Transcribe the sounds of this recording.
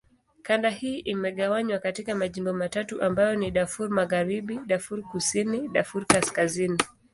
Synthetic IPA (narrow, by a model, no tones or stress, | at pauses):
kandahiːʔimɛɠawaɲwakatikamaʄimbɔmatatuʔambajɔniɗafuɾmaɣaɾiɓiɗafuɾkusiniɗafuɾkaskazini